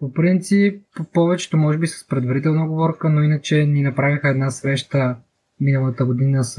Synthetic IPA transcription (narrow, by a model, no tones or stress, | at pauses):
popɾint̪sipːɔvɛt͡ʃɛ̥t̪omɔʒɛbisə̥spɾɛd̪vɐɾit̪ɛlˠnəoɡovɔɾkənoinət͡ʃɛninɐpɾavʲixəɛd̪nasɾɛʃt̪ə | minəlˠət̪əɡod̪inəs